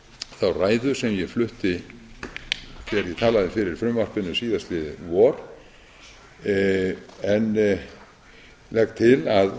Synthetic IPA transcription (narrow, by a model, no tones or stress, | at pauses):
θawraːjðʏsɛmjɛɣflʏht̪ɪ | θɛɣaɾjɛt̪ʰaːlaðɪfɪɾɪɾ̥fɾʏmvar̥pʏnːʏsiːðast̪lɪðɪvɔɾ̥ | ɛn | lɛkt̪ʰɪlað